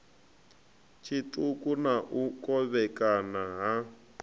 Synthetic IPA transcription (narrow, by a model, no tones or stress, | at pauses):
t͡ʃʰitukʼunaʔukʼɔβɛkʼanaɦa